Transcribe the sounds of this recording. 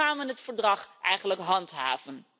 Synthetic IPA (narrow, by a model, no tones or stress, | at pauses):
aːnʋənətfəɹdrɑχʔɛjχənləkɦɑntɦa̰ːv̥ən